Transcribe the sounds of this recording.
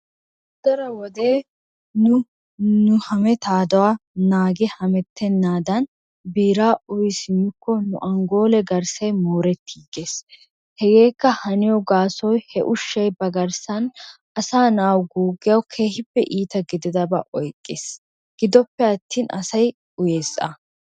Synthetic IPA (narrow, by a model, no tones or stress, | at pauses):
d̪̥ɐɾɐwɔd̪eː | nʊ | nʊhɐmɛt̪aːd̪ɐwanaːɡɪhɐmɛt̪ːɛnːaːd̪ɐn | biːɾaːʔʊjɪsɪnːʊkːɔnʊʔɐŋɡo̞ːlɛɡɐɾsɐjmoːɾɛt̪ːiːɡeːs | hɛɡe̞ːkːɐhɐnɪjɔɡaːsɔjhɛʔʊʃːɐjbɐɡɐɾsɐn | ɐsaːnaːwɡuːɡɪjɐwkʰe̞ːhɪbːɛʔiːt̪ɐɡɪd̪ɪd̪ɐbɐʔɔjkʼːeːs | ɡ̥ɪd̪ɔpːɛɐt̪ːiːnʔɐ̰sɐj | ʊjeːsɐ̰